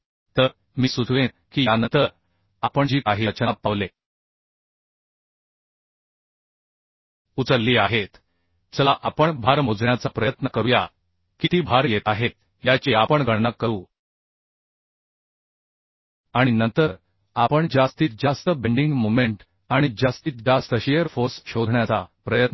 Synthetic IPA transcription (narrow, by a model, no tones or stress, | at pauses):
t̪əɾ | miːsud̪ʱʋẽ | kiːjanənt̪əɾ | apəɳd͡ʑiːkaɦit͡ɕəap̚ːaʋle | ut͡səɾːiːaɦet̪ | d͡zəlaʔapəɳbʱaɾmod͡zɳjat͡sapɾəjət̪nəkəɾuja̰ | kit̪iːbʱaɾjet̪aɦet̪̚ | jat͡ɕeapəɳɡʱəɽnəkːəɾuː | aɽ̃inənt̪əɾ | apəɳd͡ʑast̪iːt̪̚d͡ʑast̪əbeɳɖiŋɡmomeɳʈ | aɽ̃id͡ʑast̪iːt̪̚d͡ʑast̪əɕejəɾfoɾsɕod̪ʱɳjat͡sapɾəjət̪